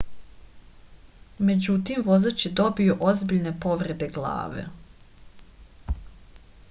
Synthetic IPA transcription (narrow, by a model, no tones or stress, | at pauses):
me̞d͡ʑut̪imʋo̞zat͡ɕid̪o̞bijuʔozbiʎne̞po̞ʋɾe̞d̪eɡlˠa̰ːʋḛ